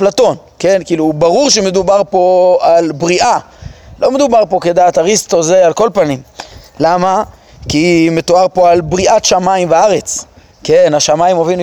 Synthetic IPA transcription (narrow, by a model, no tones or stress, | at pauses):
plat̪o̞n | ke̞nkiːlubaʁuʁʃeme̞d̪ubaʁpo̞albʁiʔa | lo̞me̞d̪ubaʁpo̞ke̞d̪aːt̪aʁist̪ozealko̞lpanimlama | kime̞t̪oaʁpo̞albʁiat̪ʃamaimveaʁe̞t͡s | ke̞naʃamaimovin